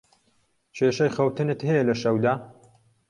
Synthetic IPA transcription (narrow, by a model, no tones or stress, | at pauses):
t͡ʃʰeːʃɐjxɐwt̪ɨnɨt̪hɛjɛlɐʃɐwd̪aː